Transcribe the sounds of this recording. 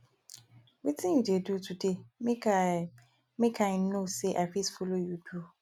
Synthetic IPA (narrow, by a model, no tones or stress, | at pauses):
witʰɪ̃judedutʰudem | mẽkʰãɪnnoseʔafisfolojudu